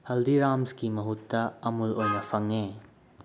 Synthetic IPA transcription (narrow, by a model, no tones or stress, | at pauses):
hɐldiɾamskimɐɦutːɐɐmulojnɐpʰɐŋːe